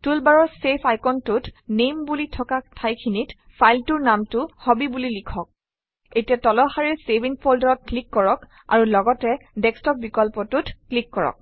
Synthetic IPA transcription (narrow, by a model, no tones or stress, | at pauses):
tulbaɹɔɹsepʰajkɔntʊtnembulitʰɔkatʰajkʰinit | pʰajltuɹnamtʊhɔbibulilikʰɔk̚ | etiatɔlɔxaɹiɹsebʱinpʰoldaɹɔt̚klikːɔɹɔk | a̰ɹulɔɡɔtɛdɛkstɔp̚bikɔlpɔtutʰklikːɔɹɔ̰k̚